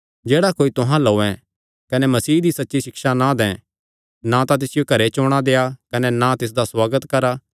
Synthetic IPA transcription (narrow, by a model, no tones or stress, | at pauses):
d͡ʒeːɽakoːit̪ʊɦãloːɛ̃ | kɐnɛmɐsiːd̪isɐtːʃisɪkʃanãd̪ɛ̃ | nat̪at̪ɪsɪjokɐɾet͡ʃoːɽ̃ad̪eːakɐnɛnat̪ɪs̬d̪aswaːɡət̪kɐɾa